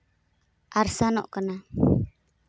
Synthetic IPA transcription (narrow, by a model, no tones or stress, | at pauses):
ʔarsanɔ̰ʔkəna